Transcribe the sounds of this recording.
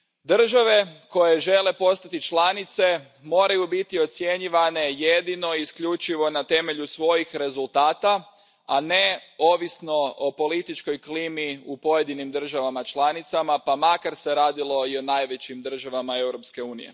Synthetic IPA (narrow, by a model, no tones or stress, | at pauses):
d̪r̩ʒaʋe̞ko̞je̞ʒe̞le̞po̞st̪at̪it͡ʃlanit̪se̞ | mo̞ːɾajubit̪io̞t̪sje̞ɲiʋane̞je̞d̪ino̞iːskʎut͡ʃiʋo̞nat̪e̞me̞ʎusʋo̞jixɾe̞zulˠt̪aːt̪a | ane̞o̞ːʋisno̞opo̞lit̪it͡ʃko̞jklimiupo̞je̞d̪inimd̪r̩ʒaʋamat͡ʃlˠanit̪samapamakaɾse̞ɾaːd̪ilˠo̞io̞najʋe̞t͡ɕimd̪r̩ʒaʋamae̞wɾo̞pske̞uːnḭjḛ